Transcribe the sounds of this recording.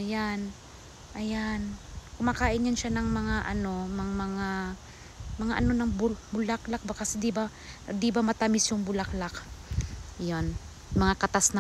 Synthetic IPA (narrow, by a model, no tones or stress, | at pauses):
jan | ʔɐjankʊmakaːʔɪnjanʃanɐŋmɐŋaʔɐno̞mɐŋmɐŋa | mɐŋaʔɐno̞nɐŋbʊbʊlaklak̚bakɐsɛd̪ɪba | d̪ɪbamɐt̪amɪsjʊŋbʊlaklak | jon | mɐŋakɐt̪asnɐ